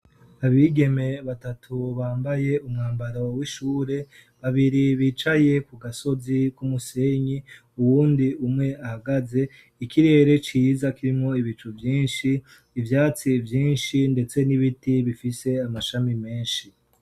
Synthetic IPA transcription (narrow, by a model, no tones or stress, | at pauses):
aβiɡe̞me̞βatatʰuβaːmbaje̞umŋaːmbaɾowiʃuːɾe̞βaβiɾiβiːt͡ʃaje̞kuɡaso̞zikumuse̞ɲi | uwuːndiumŋe̞ahaɡaze̞ | ikʰiɾe̞ːɾe̞t͡ʃiːzakiɾimŋo̞iβit͡ʃuvjiːnʃiː | vjaːt͡sivjiːnʃinde̞t͡se̞niβitiβifise̞amaʃamime̞ːnʃi